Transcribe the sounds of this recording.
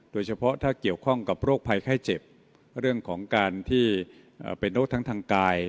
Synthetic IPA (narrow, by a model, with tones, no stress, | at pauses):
d̥oː˧jt͡ɕʰa˧pʰɔ˦˥t̪ʰaː˥˩ki˨˩əwkʰɔ˥˩ŋka˨˩p̚ɾoː˥˩k̚pʰa˧jkʰaː˥˩jt͡ɕe˨˩p̚ | ɾɯ˥˩əŋkʰɔː˩˦ŋkaː˧nt̪ʰiː˥˩ | ʔə̰ː˨˩pe˧nɾoː˦˥˩t̪ʰŋt̪ʰaː˧ŋkaː˧j